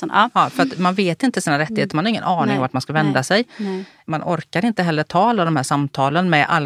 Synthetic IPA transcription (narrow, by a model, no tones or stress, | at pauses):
fœɾat̪manveːt̪ɪnt̪əsiːnaɾɛt̪ːɪheːt̪əɾmanhaɾɪŋːə̰nʔɑːɳɪŋɔmvaʈmanskavɛnd̪asɛj | manʔɔɾkaɾɪnt̪əɦɛlːəʈʰɑːalːad̪ɔmhæːʂamt̪ʰɑːlənmɛʔa̰lː